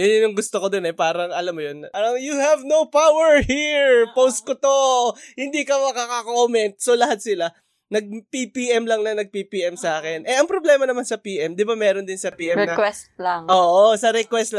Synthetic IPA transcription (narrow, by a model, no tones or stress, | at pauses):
jʊnʊnjʊŋɡʊst̪okod̪onɛpaːɾɐŋʔɐlamːojonʔɐjuhɐvnopawɛɹhiɹpowst̪̚kot̪ohɪnd̪iːkɐmɐkɐkɐkkomɛnt̪̚so̞lɐɦat̪̚sɪla | nɐɡ̚pipiːʔɛmlɐŋnɐnɐɡ̚pipiːʔɛmsɐaːkɛnʔɛʔɐŋpɾoblɛːmɐnɐmansɐpiːʔɛmd̪ɪbamɛːɾond̪ɪnsɐpiːʔɛɛnwɛst̪̚laŋʔoːʔosɐɾɛkwɛst̪l